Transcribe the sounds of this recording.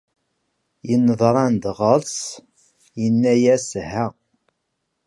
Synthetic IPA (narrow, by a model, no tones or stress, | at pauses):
jənːəðˤɾˤɑnd̪ʁəɾs | jənːæjæshæ